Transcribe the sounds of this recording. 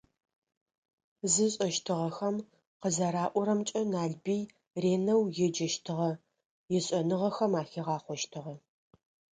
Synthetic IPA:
zɨɕʼɐʃtʰɨʁɐxɐm | qəzɐɾaːʔʷɔɾɐmt͡ʃʼɐnaːɮbij | reːnɐwjɛd͡ʒɐʃtʰɨʁɐ | jɛɕʼɐnɨʁɐxɐmaːxeʁɑːχʷɔʃtʰɨʁɐ

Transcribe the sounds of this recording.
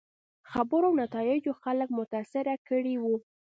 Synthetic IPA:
xabəɾoawnat̪ɑjɪd͡ʒoxalək̚mʊt̪asɪɾakəɽiwu

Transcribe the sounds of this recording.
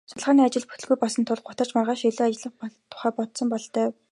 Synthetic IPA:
sʊɮʁaːniːat͡ɕɪ̆ɮpu̥t̪ɵ̆ɮɣujpɔsə̆nt̪ʰʊɮɢʊt̪ə̆r̥t͡ɕmarʁaːʃiɮoːaɮə̆χpt̪ʰːʊ̥χæːpɔt̪sɞ̆mpɔɮt̪æː

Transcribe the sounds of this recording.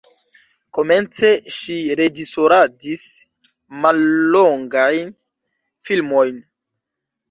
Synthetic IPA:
ko̞me̞nt͡se̞ʃiɾe̞d͡ʒiso̞ɾadis | malːoŋɡajn | filmojn

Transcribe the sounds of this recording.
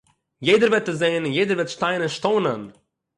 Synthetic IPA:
jeɪdəɾvɛtəzeɪnɪnjeɪdəɾvɛtʃtaɪnɪnʃtoːnən

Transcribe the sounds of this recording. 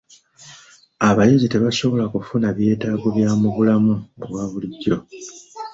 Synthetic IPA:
aβajeɟite̞βaso̞βo̞lakufunaβje̞ːtaːɡoβjaːmuβulamuβwaːβuliɟːo̞

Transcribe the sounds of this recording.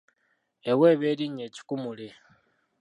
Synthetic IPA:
ewe̞ːβeːliɲeːci̥kumule̞

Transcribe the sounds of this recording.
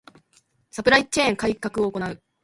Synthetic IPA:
sapɯ̟ɾait͡ɕẽːŋkaikːakɯ̟oːko̞naɯ̟

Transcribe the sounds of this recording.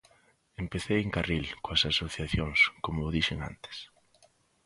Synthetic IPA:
empeθejeŋkarilkoɐsasoθjaθjoŋskomoːðiʃeŋa̰nt̪e̥s

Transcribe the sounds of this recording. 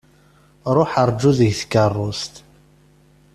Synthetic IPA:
ɾˤoħəɾˤd͡ʒːuðəʝθə̥kːərˤːʊst̪

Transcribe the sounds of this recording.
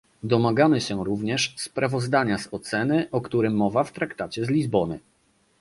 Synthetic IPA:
d̪ɔmaɡamɘɕɛ̃ɾuvɲɛʂspɾavɔzd̪aɲazɔt̪sɛnɘʔɔkt̪uɾɘmːɔvaft̪ɾakt̪at͡ɕɛzlʲizbɔnɘ̰

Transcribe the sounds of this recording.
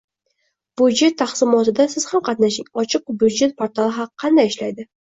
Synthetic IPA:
b̥ud͡ʒe̞t̪ʰːaχsɪmɒt̪ɪd̪asɪz̥hamqʰɑt̪naʃɪŋɒt͡ʃʰɨq̚bud͡ʒet̪̚pʰoɾt̪ʰalˠɪɦaqʰːɑnd̪ajɪʃlajd̪ɪ

